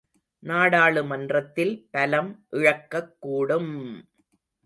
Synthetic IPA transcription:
naːɽaːɭɯmɐndrɐt̪ːɪlpɐlɐmʔɪɻɐkːɐkːuːɽɯm

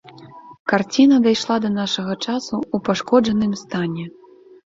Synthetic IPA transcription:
kart͡sʲinɐd̪ajʂlˠad̪ɐnaʂɐɣɐt͡ʂasuupaʂkɔʐɐnɨmst̪anʲɛ

